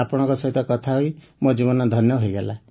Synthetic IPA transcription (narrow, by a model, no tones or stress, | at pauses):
apɔɽ̃ɔ̃ŋkɔsɔɦit̪ɔkɔt̪ʰaɦuj | mod͡ʒiβɔnɔd̪ʱɔnjɔɦoiɡala